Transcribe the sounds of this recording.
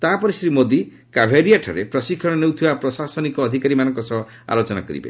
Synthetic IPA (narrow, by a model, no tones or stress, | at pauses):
t̪apɔɾisɾimod̪i | kabʱeɾijaʈʰaɾepɾɔsikʰːɔɽ̃ɔnewt̪ʰibapɾɔsasɔnikɔːd̪ʱikaɾimanɔŋkɔsɔɦɔ | a̰lot͡ʃɔna̰kɔɾḭbḛ